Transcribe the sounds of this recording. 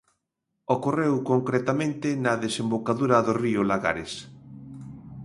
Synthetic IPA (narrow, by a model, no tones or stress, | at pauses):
okorewkoŋkɾet̪amẽnt̪ɪnɐðesembokaðuɾɐðoriʊlaɣa̰ɾes